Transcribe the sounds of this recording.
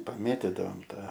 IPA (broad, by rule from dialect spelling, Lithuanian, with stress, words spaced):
pɐˈmʲeːtʲɪdɐʋoːm ˈtɑː